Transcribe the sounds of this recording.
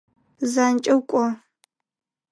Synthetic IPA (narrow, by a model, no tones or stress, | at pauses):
zant͡ʃʼɐwkʷʼɔ